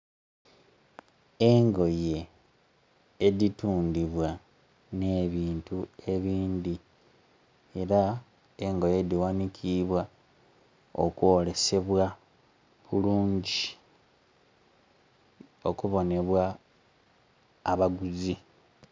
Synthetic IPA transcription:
e̞ŋɡo̞je̞ | dituːndiβwa | ne̞ːβiːntue̞βiːnd̪i | e̞ɾa | eŋɡo̞je̞diwanicʰiβwa | o̞̰kwo̞ːle̞se̞βwa | βuluːɲɟi | o̞kuβo̞ne̞βwa | βaɡuzi

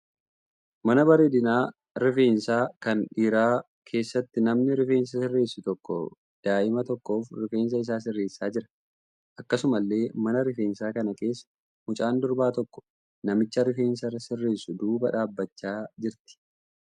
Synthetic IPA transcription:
mɐnɐbɐɾeːd̪ɪnaː | ɾɪfe̞ːnsaːkɐnᶑiːɾaː | kʰe̞ːsːɐt̪ːɪnɐmnɪɾɪfe̞ːns̬ɐsɪrːe̞ːsːʊt̪ɔkːɔ̰ | d̪̥aːʔɪmɐt̪ɔkːo̞ːfɾɪfe̞ːns̬ɐɪs̬aːs̬ɪrːe̞ːsːaːd͡ʒɪɾɐ̥ | ʔɐkːɐsʊmɐlːe̞ːmɐnɐɾɪfe̞ːnsaːkɐnɐke̞ːsːɐ̥ | mʊt͡ʃʼaːnd̪ʊɾbaːt̪ɔkːɔ̥ | nɐmɪt͡ʃːɐɾɪfe̞ːnsɐɾɐsɪrːe̞ːsːʊd̪uːbɐᶑaːbːɐt͡ʃːaːd͡ʒɪɾt̪ɪ̥

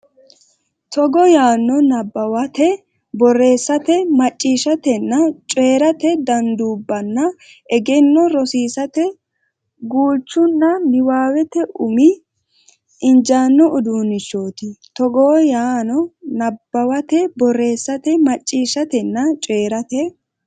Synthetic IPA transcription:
t̪ɔɡɔjaːnːɔnɐbːɐwɐt̪ɛ | bɔre̞ːsːɐt̪ɛmɐt͡ʃʼːiːʃɐt̪ɛnːɐt͡ʃʼe̞ːɾɐt̪ɛd̪ɐnd̪uːbːɐnːɐ | ʔɛɡɛnːɔɾɔsiːsɐt̪ɛ | ɡuːt͡ʃːʊnːɐnɪwaːwɛt̪ɛʔʊmɪ | ɪnd͡ʒaːnːɔʔʊd̪uːnɪʃoːt̪ɪt̪ɔɡoːjaːnɔnɐbːɐwɐt̪ɛbɔrːe̞ːsːɐt̪ɛmɐt͡ʃʼːiːʃɐt̪ɛnːɐt͡ʃʼeːɾɐt̪ɛ

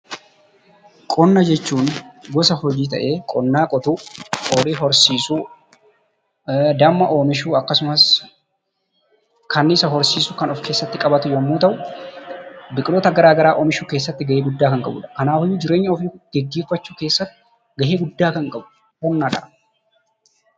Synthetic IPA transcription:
kʼɔnːɐd͡ʒɛt͡ʃːuːnɡɔsɐhɔd͡ʒiːt̪ɐ̰ʔe̞ːkʼɔnːaːkʼɔt̪ukoːɾiːɦɔɾsiːsuː | d̪ɐmːɐʔoːmɪʃuːɐkːɐsʊmɐs | kʰɐnːɪsɐɦɔɾsiːsʊkɐnɔfke̞ːsːɐt̪ːɪkʼɐbɐt̪ʊjɔmːuːt̪ɐʔʊ | bɪkʼloːt̪ɐɡɐɾaːɡɐɾaːʔoːmɪʃuːkeːs̬ːɐt̪ːɪɡɐʔe̞ːɡʊd̪ːaːkɐŋkʼɐbʊ̰ːᶑɐ̥kɐnaːfɔjːuːd͡ʒɪɾe̞ːɲːɐɔfɡ̥ɛɡːe̞ːfːɐt͡ʃːuːke̞ːsːɐt̪ːɪ̥ | ɡɐʔe̞ːɡʊd̪ːaːkɐŋkʼɐbʊ̥ | hɔnːaᶑɐ̰

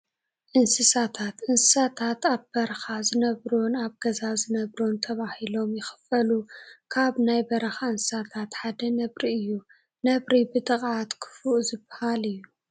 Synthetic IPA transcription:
ʔɨnsɨsat̪ʰat̪ʔɨnsɨ̥sat̪ʰat̪aβbɐɾɐxazɨnɐβɾonaβɡɐzazɨnɐβɾont̪ʰɐβahilo̞mjɪxɨ̥fɐlukʰaβnajbɐɾɐxaɨnsɨ̥sat̪ʰat̪ħad̪ɐnɐβɾiɨjːu | nɐβɾibɨt̪ʼɨχʼʕat̪kʰɨ̥fuʔzɨbːɐhalɨjːu

